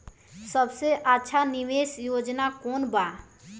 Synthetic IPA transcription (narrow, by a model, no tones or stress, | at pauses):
səbseʔatːʃʰaniʋeːsjoːd͡ʒnakoːnba